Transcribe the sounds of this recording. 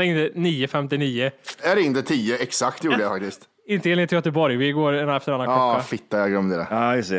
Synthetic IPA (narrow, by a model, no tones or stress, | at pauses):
ɪnt̪əniːəfɛmt̪ɪniːəæɖɛɪŋnt̪ət̪ʰiːəɛksakt̪juːɖəjafak̚t̪ɪst̪ | ɪnt̪əelt̪jœt̪əbɔɾjvɪɡoːɾɛnɛft̪əɾanːankɔːafɪt̪ːajaɡlœmd̪ɛd̪ɛ̰aːjɵst̪ɛ